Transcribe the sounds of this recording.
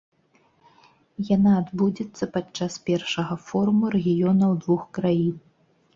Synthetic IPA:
janaːd̪bud͡zʲɛt̪sːɐpat͡ʂt͡ʂːaspʲɛrʂɐɣɐfɔɾumuɾɛɣʲijɔnɐwd̪vuxkɾajin

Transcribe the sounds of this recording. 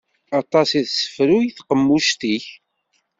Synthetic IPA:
ɑt̪ˤɑsiðsə̥fɾujiθqəmːuʃt̪iç

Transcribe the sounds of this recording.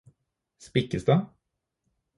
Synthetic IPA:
spɪkəsd̪ə

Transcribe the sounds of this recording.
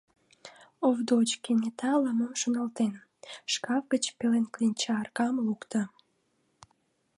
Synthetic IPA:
ovd̪ot͡ɕkenet̪ʰɑləmomʃonɑlt̪en | ʃkɑvɡət͡ɕpelenklinʲt͡ɕɑːrkɑmlukt̪ə̆

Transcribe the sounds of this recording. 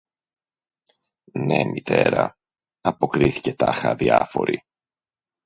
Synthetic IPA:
ne̞mʔit̪e̞ɾɐ | ɐpo̞kɾiθi̥ce̞t̪ɐxɐðiɐfo̞ɾi

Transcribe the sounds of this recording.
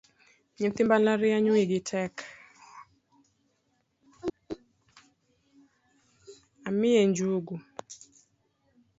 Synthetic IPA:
ɲinθimbalaɾɪaɲuiɡɪtʰɛk | amɪeɲd͡ʒuɡu

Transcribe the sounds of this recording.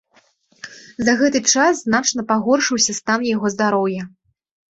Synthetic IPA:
zɐɣɛt̪ɨt͡ʂasznat͡ʂnɐpaɣɔrʂɨwsʲɐst̪anjaɣɔzd̪aɾɔwjɐ

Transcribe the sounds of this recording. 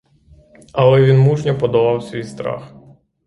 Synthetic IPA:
ɐlˠɛʋʲinmuʒnʲɐpɔd̪ɔʋɑwsʲʋʲijst̪ɾɑ̰x

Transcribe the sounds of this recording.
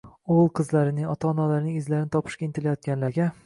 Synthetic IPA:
olˠqʰɨzlaɾɪnɪŋɒt̪ʰaːnɒlaɾɪnɪŋɪzlaɾɪnɪt̪ʰɒpʰɨ̥ʃkʲaint̪ʰɪlajɒt̪̚ɡʲanlaɾɡʲa

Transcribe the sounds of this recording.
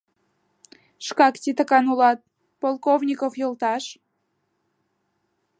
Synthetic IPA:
ʃkɑkt̪ʲit̪əkɑnulɑt̪̚ | polˠkovnʲikofjolˠt̪ɑʃ

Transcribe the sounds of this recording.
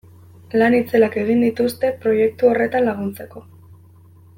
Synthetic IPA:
lanit͡se̞lake̞ɣ̞ind̪it̪ust̪e̞pɾo̞je̞k̚t̪uo̞re̞t̪anlaɣ̞unt͡se̞ko̞

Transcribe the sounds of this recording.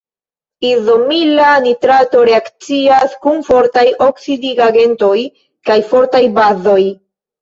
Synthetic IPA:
izo̞milanitɾato̞ɾe̞akt͡siaskunfo̞ɾtajʔo̞ksidiɡaɡe̞nto̞j | kajfo̞ɾtajbazo̞j

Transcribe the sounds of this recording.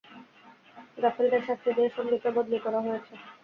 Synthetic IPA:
ɡaft̪alid̪aɾʃast̪ʰid̪eeʃɔbmikt̪obod̪nikɔɾaɦojet͡ɕʰe

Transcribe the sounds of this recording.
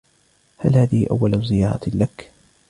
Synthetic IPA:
ha̰lhaːðɪhɪʔa̰wːalzɪjɑːɾˤɑ̰lak

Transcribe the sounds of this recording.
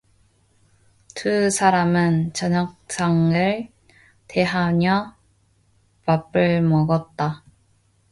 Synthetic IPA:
kɯsʰaɾamɯnt͡ɕʌɲak̚s͈aŋɯɭ | te̞ɦaɲjʌ | papɯɭmʌɡʌt̚t͈a

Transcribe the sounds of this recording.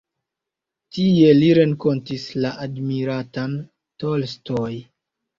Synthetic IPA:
tie̞liɾe̞ŋko̞ntislaʔadmiɾatan | tolstoj

